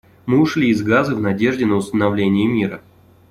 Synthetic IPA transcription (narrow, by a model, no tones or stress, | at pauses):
mɨʊʂlʲiːzɡazɨvnɐdʲe̞ʐdʲɪnəʊst̪ənɐvlʲenʲɪjɪmʲiɾə